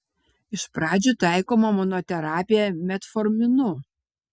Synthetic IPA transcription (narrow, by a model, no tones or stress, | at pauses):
ɪʃpɾɑːd͡ʒʲuˑt̪ɑˑɪkoːmɐmɔnot̪ʲɛɾɑːpʲɪjɛmʲɛt̪fɔɾʲmʲɪnʊ